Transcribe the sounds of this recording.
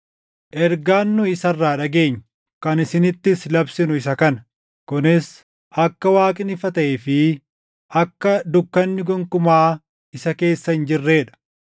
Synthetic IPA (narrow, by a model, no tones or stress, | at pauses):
ʔɛɾɡaːnːʊɪsɐrːaːᶑɐɡe̞ːɲː | kɐnɪsɪnɪt̪ːɪslɐbsɪnʊɪs̬ɐkɐnɐ | kʊnɪs | ʔɐkːɐwaːkʼɪnɪfɐt̪ɐʔɛfɪ | ʔɐkːɐd̪ʊkːɐnːɪɡɔŋkʊmaː | ɪsɐke̞ːsːɐhɪnd͡ʒɪrːe̞ːᶑɐ̥